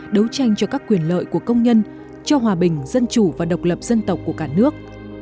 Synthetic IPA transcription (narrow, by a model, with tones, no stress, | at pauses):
ɗə˨˦wt͡ɕa˧jŋ̟t͡ɕɔ˧kaː˦˥kːwi˨˩ənlə̰ː˧˨jku˧˩əkə˧wŋ͡mɲə˧n | t͡ɕɔ˧ɦwaː˨˩ɓï˨˩ŋ̟zə˧nt͡ɕu˧˩vaː˨˩ɗə˨˩wk͡p̚lə˨˩p̚z̥ə˧nt̪ə˨˩wk͡p̚kːu˧˩əkaː˧˩nɨ˦˥ək̚